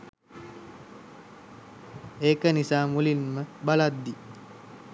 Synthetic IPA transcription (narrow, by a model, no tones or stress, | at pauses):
eːkənisaːmulinməbalad̪ːi